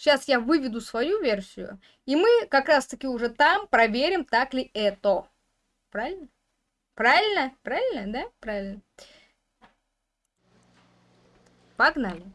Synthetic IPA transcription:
ɕasjavɨvʲɪd̪ʊsvɐjuvʲersʲɪjʊ̰ | imɨkɐkɾast̪əkʲɪʊʐɛt̪ampɾɐvʲeɾʲɪmt̪aklʲɪɛt̪o | pɾavʲɪlʲnə | pɾavʲɪlʲnəpɾavʲɪlʲnəd̪apɾavʲɪlʲnə | pɐɡnalʲɪ

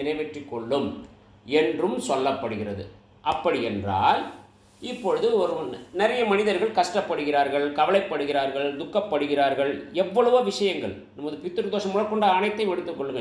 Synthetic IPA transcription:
ɪnɐɪʋɛʈrɪkːɔɭːɯm | ɛndrɯmsɔlːɐpːɐɽɯɣɪrɐðɯ | ʔɐpːɐɽɪɛndra̰ːl | ɪpːɔɻɯðɯɔɾɯmnɪɾɐjɐmɐnɪðɐɾɣɐɭkɐʂʈɐpːɐɽɯɣɪraːɾɣɐɭkɐʋɐlɐɪpːɐɽɯɣɪraːɾɣɐɭd̪ʊkːɐpːɐɽɯɣɪraːɾɣɐɭɛʋːɐɭɐʋɐʋɪʂɐjɐŋɡɐɭ | nɐmːɐðɯpɪt̪ːɯɾd̪oːʂɐmːʊɻɐɾkːɔɳɖaːnɐɪt̪ːɐɪmɛɽɯt̪ːɯkːɔɭːɯŋɡɐ

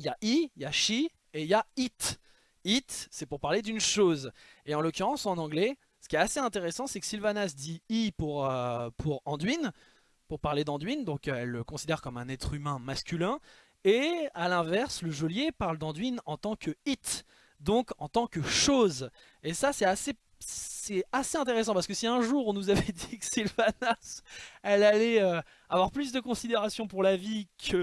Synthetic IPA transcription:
jaʔijaʃi | ejait̪ | it̪sɛpuʁpaʁled̪ynʃozeɑ̃lɔkʲyʁɑ̃sɑ̃nɑ̃ɡlɛ | sə̥kʲiɛt̪aseɛ̃t̪eʁesɑ̃sɛkə̥silvanasd̪iipuʁøpʰuʁɑ̃d̪ɥin | puʁpaʁled̪ɑ̃d̪ɥind̪ɔ̃kɛlːəkɔ̃sid̪ɛʁkɔmɛ̃nɛt̪χymɛ̃maskʲylɛ̃ | ealɛ̃vɛʁsləʒɔljepaʁld̪ɑ̃d̪ɥinɑ̃t̪ɑ̃kəit̪ | d̪ɔ̃kɑ̃t̪ɑ̃kəʃoz | esasɛtase | sɛaseɛ̃t̪̬eʁes̬ɑ̃paʁsəkəsiɛ̃ʒuʁɔ̃nuzavɛd̪ikə̥silvanasɛlalɛø | avwaʁplys̬d̪əkɔ̃sid̪eʁasjɔ̃puʁlavikʰə

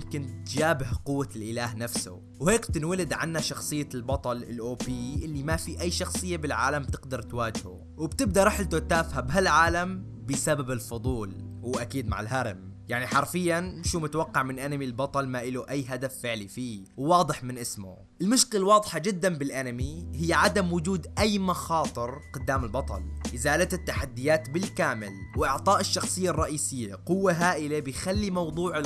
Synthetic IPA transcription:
mkɪnt̪d͡ʒaːbɪhqʊwːalʔɪlaːɦnafsʊ̰ | wheːkb̚t̪ɪnwalɪd̪ʕa̰nːaʃɑxsˤɨjːalbɑt̪ˤɑlɪ̰lʔoːpiʔɪlːimafiʔajːʃɑxsˤɨjːabɪlʕa̰ːlambt̪ɪqd̪ɑɾˤt̪waːd͡ʒhʊ̰ | wɪbt̪ɪb̚d̪aɾˤɑħɪlt̪ʊt̪aːfhabɦalʕaːlam | bɪsababɪlfʊd̪ˤuːlwʔakiːd̪ma̰ʕɪ̰lɦaɾˤm | jaʕniħɑɾˤfɪjːanʃuːmʊt̪awɑqːɑʕmɪnʔanamilbɑt̪ˤɑlmaʔɪluʔajːɦad̪afːɪʕlifiːwwɑːd̪ˤɨħmɪnʔɪsmʊ̰ | ʔɪlmʊʃkɪlwɑːðˤħad͡ʒɪd̪ːanbɪlʔanamiɦɪjːʕad̪amwʊd͡ʒuːd̪ʔajːmɑxɑːt̪ˤɨɾqʊd̪ːaːmɪlbɑt̪ˤɑ̰lʔɪzaːlat̪ɪt̪ːaħad̪ːɪjaːt̪bɪlkaːmɪ̰lwʔɪʕt̪ˤɑːʔɪʃːɑxsˤɨjːarˤːɑʔiːsɪjːaqʊwːaɦaːʔɪlebɪjxalːimɑwd̪ˤuːʕɪ

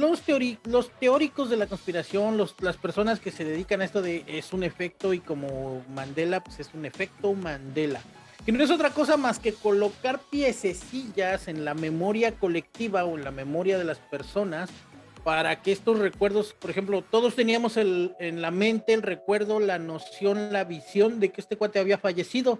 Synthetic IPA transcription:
lost̪oɾilo̞st̪e̞oɾiko̞zðe̞lako̞nspiɾasjo̞nloslaspe̞ɾso̞naske̞se̞ðe̞ðikanaest̪o̞ðe̞ʔesune̞fe̞k̚t̪o̞iko̞mo̞mãnd̪e̞lapwese̞sune̞fe̞k̚t̪o̞mãnd̪e̞la | kenone̞s̬o̞t̪ɾako̞samaske̞ko̞lo̞kaɾpje̞sesiʝase̞nlame̞mo̞ɾjako̞le̞k̚t̪iβao̞e̞nlame̞mo̞ɾjaðe̞laspe̞ɾso̞naspaɾakeest̪o̞sre̞kwe̞ɾðospo̞ɾexe̞mplo̞t̪o̞ðo̞st̪e̞niamo̞se̞lenlamẽ̞nt̪e̞ːlre̞kwe̞ɾðo̞lano̞sjo̞nlaβisjo̞nd̪e̞keest̪e̞kwat̪eaβiafaʝe̞sið̞o̞

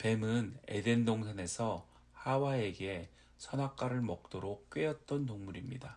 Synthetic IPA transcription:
pe̞mɯne̞̰de̞ndoŋsʰane̞sʰʌ | hawae̞ɡe̞ | sʰʌnɦak͈aɾɯɭmʌk̚t͈oɾok̚k͈ɥeʌt̚t͈ʌnːoŋmuɾimɲida

